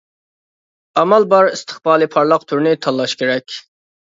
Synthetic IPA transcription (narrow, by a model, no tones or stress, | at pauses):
ɑmɑlˠbɑɾist̪ʰə̥χb̥ɑːlˠɨpʰɑɾlˠɑq̚t̪ʰuɾnɪt̪ʰɑlˠːɑʃkʲʰeɾɛkʲ